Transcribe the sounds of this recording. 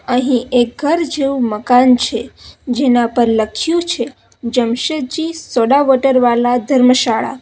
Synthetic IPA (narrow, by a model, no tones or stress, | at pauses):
əɦĩek̚ɡʱəɾd͡ʒeuməkant͡ʃʰed͡ʒenapəɾləkʰjũt͡ʃʰe | d͡ʒəmʃəd͡ʒisoɽaʋoʈəɾʋalad̪ʱəɾməʃaɭa̰